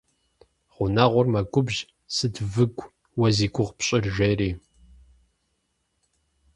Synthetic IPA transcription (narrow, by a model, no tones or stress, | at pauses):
ʁʷʊnaːʁʷʊrmɐɡʷʊbʒ | sɨdvɨɡʷʼ | wɐziːɡʷʰʼʊʁpɕʼɪrʒeːɾiː